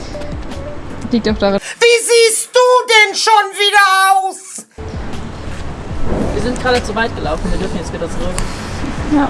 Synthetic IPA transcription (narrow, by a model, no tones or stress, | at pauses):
liːk̚taʊfd̥aʁaviːziːsd̥uːdɛnʃoːnviːdɐaʊs | viːɐzɪnt̚ɡ̥ʁaːdət͡suvaɪt̚ɡ̥əlaʊfn̩viːɐdʏɐfn̩jɛt͡stv̥iːdɐt͡suʁʏk | ja